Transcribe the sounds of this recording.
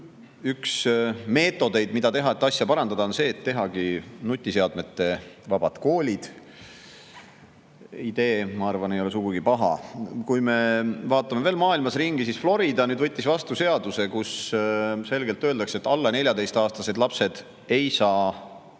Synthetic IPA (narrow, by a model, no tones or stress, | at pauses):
yksme̞ːt̪ˑːo̞d̪e̞jd̪mid̪̥ɑt̪e̞ɦɑet̪ːˑɑsjɑpɑɾɑnd̪̥ɑd̪ɑo̞nse̞ːt̪ːe̞ɦɑɡ̥inut̪ʲːˑise̞ɑd̪̥me̞t̪ːe̞vɑb̥ɑt̪ko̞ːlʲid̪̥ | id̪̥e̞ːmɑɑrvɑne̞jo̞le̞s̬uɡ̥uɡ̥ipɑɦɑ̰kujme̞vɑːt̪ːˑɑme̞veːlmɑːilmɑsriŋɡ̥isisflo̞ɾid̪ɑnyːd̪vɤt̪ʲːisvɑst̪use̞ɑd̪use̞kus | se̞lɡe̞lt̪ːøːld̪ɑkset̪ːɑlːɑne̞lʲjɑd̪e̞jst̪ɑːst̪ɑse̞d̪̥lɑpse̞d̪̥ | e̞jsɑː